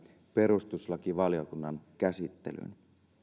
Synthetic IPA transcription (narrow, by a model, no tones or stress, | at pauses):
pe̞ɾust̪uslɑkiʋɑljo̞kunːɑnkæsit̪ːḛly̰n